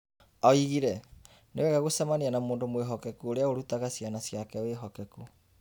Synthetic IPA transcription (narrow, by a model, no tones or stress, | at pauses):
ɔiɣiɾɛ | newɛɣaɣosɛmaneanamoːndomweɦɔkɛkuoɾeaoɾutaɣasianasjakɛweɦɔkɛku